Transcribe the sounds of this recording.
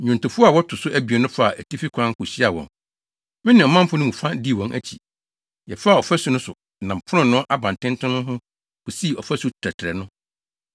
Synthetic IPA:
ɲʊ̃˨ntʊ̃˨fu˦a˨wɔ˦tʰʊ˨sʊ˦ʔæ˦˨bi˨ɛ˨nʊ̃˦fa˦˨ʔæ˨tʰi˦fi˦kʰʷã˦ŋ̩˦kʰʊ˨ɕi˦a˨wɔ̰̃˨ŋ | mɪ̃˦nɪ̃˨ɔ˨mã˦m˦fʊ̃˦nʊ̃˦mũ˨fã˦di˦˨wɔ̃˨ŋʔæ̰˦t͡ɕʰi˨ | jɛ˨fa˦˨ɔ˨fæ˦su˨nʊ̃˦sʊ˨nã˨m˨pʰʊ˦ɾʊ̃˦˨nːʊ̃˦ʔa˦bã˨ntʰɪ̃˦ntʰʊ̃˦nʊ̃˦ɦʊ̃˦ | bʊ˨si˦˨ɔ˨fæ˦su˦tʰɾɛ˨tʰɾɛ˨nʊ̃˦

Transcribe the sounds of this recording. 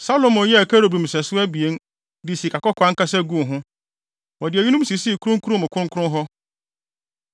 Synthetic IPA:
sa˦lo˨mʊ̃˨˦jɛ˦æ˨kʰa˦ɾo˨bɾũ˨m˨sɛ˨sʊ˦æ˦bi˨e˦n | dɪ˨si˨kʰa˨kɔ˦kʰã˨˦ŋ̩˦kʰa˦sɛ˦ɡũ˦˨ɦʊ̃˦ | wɔ˨dɪ˨æ˨ɥi˦nũ˦m˦si˨si˦˨kʰu˦ɾʊ̃˦ŋ˦kʰu˦ɾʊ̃˦mʊ̃˨kʰʊ̃˦ŋkʰʊ̃˦ɦɔ˦

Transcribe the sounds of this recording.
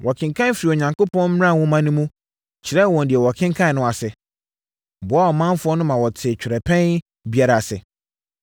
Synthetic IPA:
wʔɔ˨kʰɪ̃˨ŋkʰã˦n˦fi˨ɾi˨o˨ɲã˨ŋko˦pʰɔ̃˦n̩˦m˦ã˦˨wɔ̃˦mã˦nʊ̃˦mũ˦ | t͡ɕʰɪ˨ɾɛ˦˨wɔ̃˨n˨dɪ˨ɛ˨wɔ˨kʰɪ̃˦ŋ˦kʰã˦n˨nʊ̃˨a˨sɪ˨ | bʊ˨˦a˦ɔ˨mã˦m˦fʊ˦ɔ˦nʊ̃˦mã˨wɔ˨tʰɪ˨t͡ɕᶣɪ˨ɾɛ˨pʰɛ̃˦n | bi˦a˦ɾa˨sɪ˨

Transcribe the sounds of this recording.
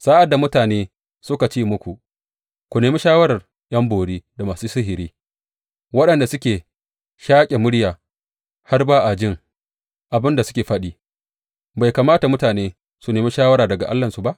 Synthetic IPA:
saː˦ʔa˨da˨mʊ˦taː˨neː˦ | sʊ˦ka˨t͡ʃiː˦mʊ˦kʷu˨ʔ | kʷu˨neː˨miː˦ʃaː˦wɐ˦ɾɐ˨r | j̰ɐ˦mboː˨ɽiː˦da˨maː˨suː˦sɪ˦ɦɪ˨ɾiː˦ | wɐ˦ɗɐ˨nda˨sʊ˦kʲeː˨ | ʃaː˦kʲʼe˨mʊ˦ɽjaː˨ | ha˦rbaː˦ʔa˨d͡ʒɪ˦˨ŋ | ʔa˨bɪ˦nda˨sʊ˦kʲeː˨ɸɐ˦ɗiː˦ | ba˨jkaː˨maː˦ta˨mʊ˦taː˨neː˦ | su˨neː˨miː˦ʃaː˦wɐ˦ɾaː˨dɐ˨ɡa˨ʔa̰˦lːɐ˨nsu˨ba˦ʔ

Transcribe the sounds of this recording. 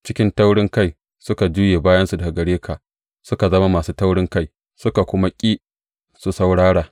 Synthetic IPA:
t͡ʃɪ˦kʲɪ˦nta˦wɽɪ˦ŋka˦˨j | sʊ˦ka˨d͡ʒuː˦jeː˨baː˦jɐ˦nsu˨dɐ˨a˨ɡɐ˨ɽeː˦kʰaː˨ | sʊ˦ka˨zɐ˦ma˦maː˨suː˦ta˦wɽɪ˦ŋka˦˨j | sʊ˦ka˨kʷʊ˦ma˦kʲʼiː˦ | su˨sa˦wɽaː˦ɽaː˨

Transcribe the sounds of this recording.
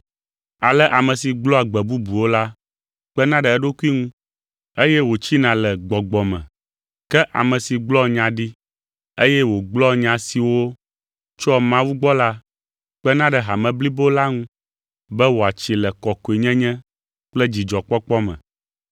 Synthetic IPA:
a˨lɛ˦ʔa˨mɛ̃˨si˨ɡ͡blɔ˦a˨ɡ͡bɛ˨bu˦bu˨wo˦la˦ | k͡pɛ˦nã˦ɖɛ˨ɛ˦ɖo˦ku˦i˦ŋũ˦ | e˦jɛ˦wo˨t͡ɕi˦nã˨lɛ˨ɡ͡bɔ˨ɡ͡bɔ˨mɛ̰̃˨ | kɛ˦ʔa̰˨mɛ̃˨si˨ɡ͡blɔ˦ɲã˨ɖi˦ | e˦jɛ˦wo˨ɡ͡blɔ˦ɲã˨si˨wo˦ | t͡ʃɔ˦mã˦wu˦ɡ͡bɔ˦la˦ | k͡pɛ˦nã˦ɖɛ˨ɦa˨mɛ̃˨bli˦bo˦la˦ŋũ˦ | bɛ˦wo˨a˨t͡ʃi˨lɛ˨kɔ˨ko˨i˨ɲɛ̃˦ɲɛ̃˦ | k͡plɛ˦d͡ʑi˨d͡ʒɔ˨k͡pɔ˦k͡pɔ˦mɛ̰̃˨

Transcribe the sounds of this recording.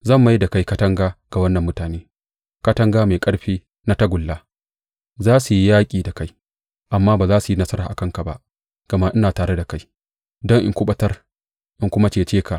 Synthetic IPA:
zɐ˦˨mːa˦jda˨ka˦jkɐ˦tɐ˦ŋɡaː˦ɡ̥a˨wɐ˦nːɐ˨mːʊ˦taː˨neː˦ | kɐ˦tɐ˦ŋɡaː˦meː˨kʼɐ˦ɽɸiː˦ | na˦tɐ˦ɡʷʊ˨lːaː˦ | zaː˦su˨ji˦jaː˦kʲʼiː˨da˨ka˦j | ʔa˨mːaː˦baː˨zaː˦su˨ji˦nɐ˦sɐ˦ɾaː˨ʔa˨kɐ˦ŋka˨ba̰˦ʔ | ɡ̥ɐ˨ma˦ʔɪ˦naː˨taː˨ɾe˦da˨ka˦j | dɔ˦ŋʔɪ˦ŋkʷʊ˦ɓɐ˦tɐ˦r | ʔɪ˨ŋkʷʊ˦ma˦t͡ʃeː˨t͡ʃeː˦ka˨ʔ

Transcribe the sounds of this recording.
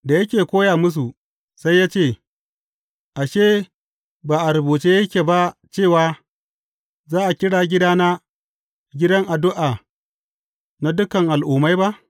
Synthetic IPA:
da˨jɐ˦kʲeː˨kʷoː˦jaː˨mʊ˦s̬u˨ | sa˦jːaː˦t͡ʃeː˦˨ | ʔa˨ʃeː˦ | baː˨ʔa˨ɾɐ˨buː˨t͡ʃeː˦jɐ˦kʲeː˨ba˦t͡ʃeː˦˨waː˨ | zaː˦ʔa˨kʲɪ˦ɽaː˨ɡʲɪ˦daː˦na˦ | ɡʲɪ˦dɐ˦ŋʔa˨dʊ˦ʔaː˨ | na˦dʊ˦kɐ˨ŋʔa˨lʔuː˨ma˦jba˦ʔ

